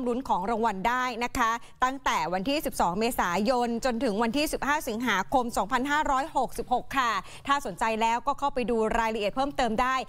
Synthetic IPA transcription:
mɾu˦˥nkʰɔː˩˦ŋɾa˧ŋwa˧ndaː˥˩jna˦˥kʰa˦˥ | t̪a˥˩ŋt̪ɛː˨˩wa˧nt̪ʰiː˥˩si˨˩p̚sɔː˩˦ŋmeː˧saː˩˦jo˧nt͡ɕo˧nt̪ʰɯ˩˦ŋwa˧nt̪ʰiː˥˩si˨˩p̚haː˥˩si˩˦ŋɦaː˩˦kʰo˧msɔː˩˦ŋpʰa˧nɦaː˥˩ɾɔː˦˥jho˨˩k̚si˨˩p̚ho˨˩kʰːa˥˩ | t̪ʰaː˥˩so˩˦nt͡ɕa˧jlɛː˦˥wkɔː˥˩kʰa˥˩wpa˧jduː˧ɾaː˧jɾa˧ʔi˨˩t̪̚pʰɤː˥˩mt̪ɤː˧mdaː˥˩j

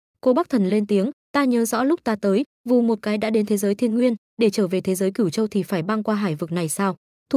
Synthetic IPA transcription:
ko˧ɓa˦˥k̚t̪ʰə˨˩nle˧nt̪i˨˦əŋt̪aː˧ɲəː˨˦zɔ̰˧˥lʊ˦˥k͡p̚t̪aː˧t̪əː˨˦j | vu˨˩mo˨˩t̚kaː˨˦jɗa̰ː˧˥ɗe˨˦nt̪ʰe˨˦zəː˨˦jt̪ʰi˧ənŋwi˧ən | ɗe˧˩t͡ɕəː˧˩ve˨˩t̪ʰe˨˦zəː˨˦jkɨ˧˩wt͡ɕə˧wt̪ʰi˨˩faː˧˩jɓaː˧ŋkwaː˧ɦaː˧˩jvɨ˨˩k̚na˨˩jsaː˧w | t̪

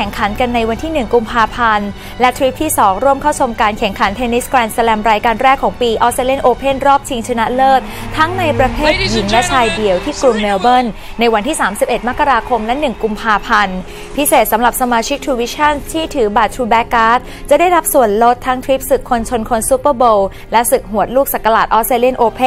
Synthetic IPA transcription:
ɛ˩ŋkʰa˩˦nka˧nːa˧jwa˧nt̪ʰiː˥˩nɯ˨˩ŋku˧mpʰaː˧pʰa˧n | lɛ˦˥t̪ʰɾi˦˥p̚t̪ʰiː˥˩sɔː˩˦ŋɾu˥˩əmkʰa˥˩wt͡ɕʰo˧mkaː˧nkʰɛ˩˦ŋkʰa˩˦nt̪ʰe˧nːi˦˥sklɛː˧nsa˧lɛː˧mɾaː˧jkaː˧nɾɛː˥˩kʰːɔː˩˦ŋpiː˧ʔɔ˦˥t̚sa˧le˦˥˩nʔoː˧pʰe˥˩nɾɔː˥˩p̚t͡ɕʰi˧ŋt͡ɕʰa˧na˦˥lɤː˥˩t̪̚t̪ʰa˦˥ŋna˧jpɾa˧t̪ʰeː˥˩t̪̚ji˩˦ŋlɛ˦˥t͡ɕʰaː˧jdi˧əwt̪ʰiː˥˩kɾu˧mːɛː˧wbe˥˩nːa˧jwa˧nt̪ʰiː˥˩saː˩˦msi˨˩p̚ʔe˨˩t̪̚ma˦˥kːa˧ɾaː˧kʰo˧mlɛ˦˥nɯ˨˩ŋku˧mpʰaː˧pʰa˧n | pʰi˦˥seː˨˩t̪̚sa˩˦mɾa˨˩p̚sa˧maː˧t͡ɕʰi˦˥k̚t̪ʰɾuː˧wi˦˥t͡ɕʰa˥˩nt̪ʰiː˥˩t̪ʰɯː˩˦baː˨˩t̪ʰɾuː˧bɛː˦˥kːaː˦˥t̪̚ | t͡ɕa˨˩da˥˩jɾa˦˥p̚su˨˩ənlo˦˥t̪ʰːa˦˥ŋt̪ʰwi˦˥p̚sɯ˨˩kʰːo˧nt͡ɕʰo˧nkʰo˧nsu˦˥pːəː˥˩boː˧w | lɛ˦˥sɯ˨˩k̚ɦu˩˦ət̪̚luː˥˩k̚sa˨˩kːa˧laː˨˩t̪̚ʔɔː˦˥se˧li˥˩nʔoː˧pʰe˥˨

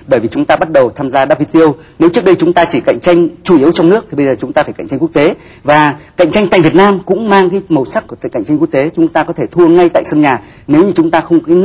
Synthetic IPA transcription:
ɓəː˧˩jvi˨˩t͡ɕʊ˨˦ŋ͡mt̪aː˧ɓa˦˥t̚ɗə˨˩wt̪ʰaː˧mzaː˧ɗaː˦˥p̚vi˧t̪i˧ə˧w | ne˨˦wt͡ɕɨ˦˥ək̚ɗə˧jt͡ɕʊ˨˦ŋ͡mt̪aː˧t͡ɕi˧˩ka̰˧˨jŋ̟t͡ɕa˧jŋ̟t͡ɕu˧˩ʔi˨˦əwt͡ɕwŋ͡mnɨ˦˥ək̚t̪i˨˩ɓə˧jzəː˨˩t͡ɕʊ˨˦ŋ͡mt̪aː˧faː˧˩jkŋt͡ɕŋ̟ku˦˥k̚t̪e˨˦ | vaː˨˩ka̰˧˨ŋ̟t͡ɕa˧jŋa̰ː˧˨jvi˨˩ət̚naː˧mkʊ̰˧˥ŋ͡mmaː˧ŋkaː˨˦jmə˨˩sa˦˥k̚ku˧˩t̪ːjka̰̟˧˨t͡ɕa˧ŋ̟ku˦˥k̚t̪e˨˦t͡ɕʊ˨˦ŋ͡mt̪aː˧kɔ˨˦e˧˩t̪ʰu˧əŋa˧jt̪a̰ː˧˨sə˧nɲaː˨˩ | ne˨˦wɲɨ˧t͡ɕʊ˨˦ŋ͡mt̪aː˧xə˧wŋ͡mkː

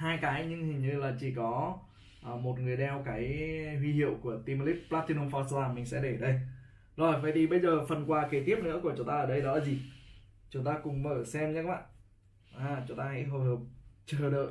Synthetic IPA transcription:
haː˧jkaː˨˦jɲɨ˧ŋhï˨˩ŋ̟ɲɨ˧laː˨˩t͡ɕi˧˩kɔ˨˦ | ʔːmo˨˩t̚ŋɨ˨˩əjɗɛ˧wkaː˨˦jɦwi˧hḭ˧˨əwku˧˩ət̪i˧m˧li˦˥t̚plaː˦˥t̪̚i˧no˧mfɔ˧saː˧mï˨˩ŋ̟sɛ̰˧˥ɗe˧˩ɗə˧j | zo˨˩jfaː˧˩jt̪ʰi˨˩ɓə˧jzəː˨˩fə˨˩nkwaː˧˩ke˨˦t̪i˦˥əp̚nɨ̰˧˥əku˧˩ət͡ɕʊ˨˦ŋ͡mt̪aː˧əː˨˩ɗə˧jɗɔ˨˦zi˨˩t͡ɕʊ˨˦ŋ͡mt̪aː˧kʊ˨˩ŋ͡mməː˧˩sɛ˧mɲə˧˦kma̰ː˧˨ | ʔaː˨˩t͡ɕʊ˨˦ŋ͡mt̪aː˧hɛ̰˧˥jɦo˨˩həː˨˩p̚t͡ɕəː˨˩ɗə̰ː˧˨j

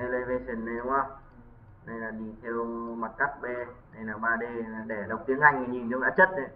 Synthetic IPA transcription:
ə˧jləː˧jve˧se˨˩nːə˧jŋa˧˩ | nə˧jlaː˨˩ɗi˧t̪ʰɛ˧wma˨˩t̚kaː˦˥k̚ɓɛ˧nə˧jlaː˨˩ɓaː˧ɗe˧˨˩ɗe˧˩ɗə˨˩wk͡p̚t̪i˨˦əŋʔa˧˩jŋə˨˩ɲi˨˩nzŋʔaː˧˥t͡ɕə˦˥t̚ːə˧˩

